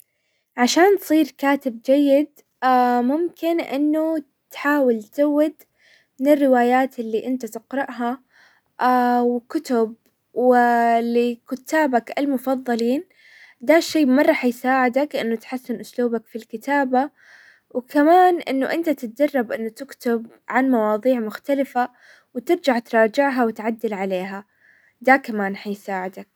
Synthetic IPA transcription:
ʕaʃaːnt̪sˤiːɾkaːt̪ɪbd͡ʒajːɪd̪ | amʊmkɪnʔɪ̰nːʊ | t̪ħaːwɪlt̪awːɪd̪ | mɪnɪrːɪwaːjaːt̪ɪlːiːʔɪnt̪at̪ɪqɾɪʔɦa | awkʊt̪ʊb̚ | wɪlɪkʊt̪ʰːaːbakalmʊfɑðˤːɑliːn | d̪aʃːeːmɑrˤːɑːħjsaːʕɪd̪aklʔɪnːʊt̪ħasːɪnʔʊsluːbakfilkɪt̪aːba | wkamaːnʔɪ̰nːʊʔɪnt̪at̪ɪt̪̚d͡ʒɑrˤːɑbʔɪnːʊt̪ɪkt̪ʊb | ʕanmɑwɑːðˤiːʕmʊxt̪alɪfa | wt̪ɪɾd͡ʒaʕt̪ɾˤɑːd͡ʒɪʕɦawɪt̪ʕad̪ːɪlʕaleːɦa | d̪akamaːnħajsaːʕɪd̪ak̚

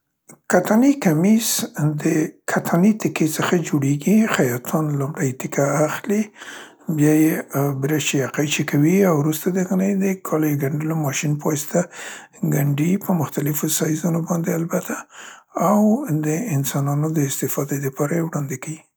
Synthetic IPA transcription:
kat̪anikamisd̪əkʰat̪ʰanit̪ɪket͡səxad͡ʒoɽeɡixajɑt̪ʰunlʊmɽajt̪ɪkʰaːxli | bjɑjebɾaʃijaqajt͡ʃekʰawiawɾust̪ad̪əɣənəjd̪əkʰɑljeɡaɳɖəlomɑʃinpɑst̪a | ɡaɳɖipəmʊxt̪alɪfosɑjzunobɑnd̪ealbat̪ʰaː | wd̪əɪnsɑnɑnod̪əɪst̪ɪfɑd̪ed̪əpɑɾajewɽɑnd̪ekawi

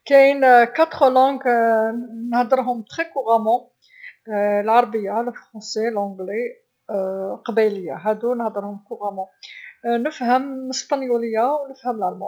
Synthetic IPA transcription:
kæjnkat̪χəlɑ̃ɡ | nəhd̪əɾɦʊmt̪χekuʁamɑ̃ | lʕɑɾˤbəjːaləfʁɑ̃selʕɔ̃ɡle | qɑbæləjːa̰ɦæd̪unəhd̪əɾhʊmkuʁæmɑ̃ | nəfhəməst̪ɑnjuləjːawnəfhəmlʕælmɑ̰

